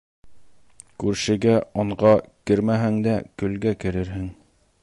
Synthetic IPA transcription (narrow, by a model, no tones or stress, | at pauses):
kʉɾʃɘ̆ɡæɒɴɢɑkɘɾmæɦɘŋd̪ækɵ̆lɡækɘ̆ɾɘɾɦɘŋ